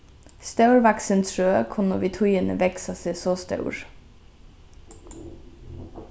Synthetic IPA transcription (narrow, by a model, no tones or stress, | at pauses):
st̪ɑʉɹʋæksənsɹøːkʰʊnəʋɪt̪ʰʊiːənə̰ʋɛksɑseːsoːst̪ɑ̰ʉɹ